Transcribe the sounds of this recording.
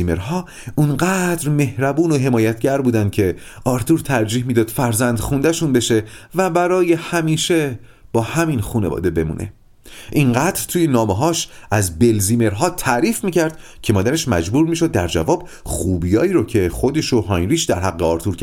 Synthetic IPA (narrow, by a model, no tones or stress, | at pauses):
imeɾɦɒː | unɢæːd̪ɾme̞hɾæbuːno̞ɦe̞mɒːjæt̪ʰɟæɾbuːd̪ænd̪̥cʰe̞ | ɒːɾt̪ʰuːɾt̪ʰæɾd͡ʒiːhmiːd̪ɒːd̪̥fæɾzænd̪̥xund̪æʃunbe̞ʃe̞væbæɾɒːje̞hæmiːʃe | b̥ɒːhæminxuːnevɒ̰ːd̪e̞be̞mṵːnʔe̞̰ | ʔiŋɢæːd̪ɾt̪ʰuːjenɒːmeɦɒːʃæzbe̞lziːme̞ɾɦɒːt̪ʰæʔɾiːfmiːcʰæɾd̪̥ | cʰe̞mɒːd̪æɾe̞ʃmæd͡ʒbuːɾmiːʃo̞d̪̚ːæɾd͡ʒæ̰vɒːb̥xuːbijɒːiɾocʰe̞xod̪e̞ʃoɦɒːjɾiːʃd̪æɾɦæɡːeɒːɾt̪ʰuːɾkʰː